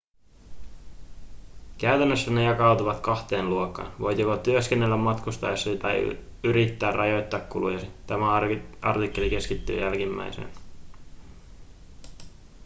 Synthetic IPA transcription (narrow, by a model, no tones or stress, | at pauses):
kæyt̪ænːøsːæne̞jɑkɑwt̪uʋɑt̪kɑxt̪e̞ːnluokːɑ̰ːnʋo̞̰jt̪ikot̪yøskenːe̞lːæmːɑt̪kust̪ɑjɑsːit̪æ̰ | yɾit̪ːæːrʔɑjo̞jt̪ːɑːkkːulṵjɑsit̪æmæʔɑ̰rt̪ikːe̞lik̟e̞skit̪ːy̰ːjælkimːæ̰jsḛn